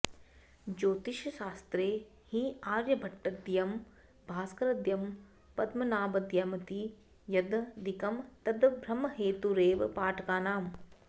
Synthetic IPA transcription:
d͡ʒoːt̪iʃɐʃaːst̪ɾeː | hiaːɾjɐbʱɐʈːɐd̪jɐm | bʱaːskɐɾɐd̪jɐm | pɐd̪mɐnaːbɐd̪jamɐt̪i | jɐd̪d̪ikɐmt̪ɐd̪bʱɾɐmɐɦeːt̪uɾeːʋpaːʈʰɐkaːnaːm

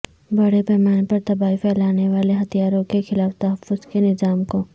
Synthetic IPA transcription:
bɐɽepɛːmaːnpɐɾt̪ɐbaːifʰɛːlaːneʋaːleɦɐt̪ijaːɾõkexɪlaːft̪ɐɦəfːʊzkenɪzaːmko

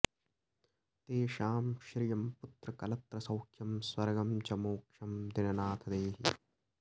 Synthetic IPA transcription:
t̪eːʃaːmʃɾijɐmput̪ɾɐkɐlɐt̪ɾɐsɐwkʰjɐmswɐɾɡɐmt͡ʃɐmoːkʂɐmd̪inɐnaːt̪ʰɐd̪eːɦi

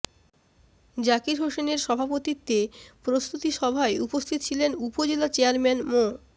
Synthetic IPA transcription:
d͡ʑakiɾɦoʃeneɾʃɔbʱapot̪it̪ːepɾost̪ut̪iʃɔbʱaeupost̪ʰit̪ot͡ɕʰilenupod͡ʑelat͡ɕeaɾmɛnmo

